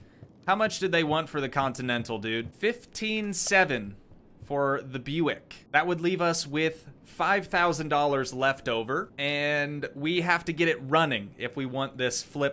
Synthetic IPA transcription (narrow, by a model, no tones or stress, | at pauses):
haʊmʌt͡ʃd̥ɨðeɪwɑ̃ntfə˞ðɨkʰɑ̃ntɨnɛ̃ntˡl̩ˠdʉd̥fɪftʰĩnsɛvɨ̃n | fə˞ðɨbjʉɪ̰kðɨt̚wədˡlivʌswɪð̥ | faɪv̥θaʊzɨ̃n̩dɔlˠə˞zlɛftoʊvə˞ɨ̃nwiɦæftɨɡɛɾɨt̚ɹʌnɪ̃ŋɪ̰fwiwɑ̃nðɪsflɪp̚